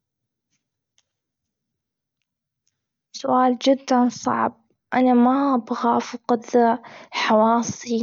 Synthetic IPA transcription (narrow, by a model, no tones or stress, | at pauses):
sʊʔaːld͡ʒɪd̪ːansˤɑ̰ʕb̚ | ʔanamaabɣaːfqɑd̪aħɑwɑːsˤi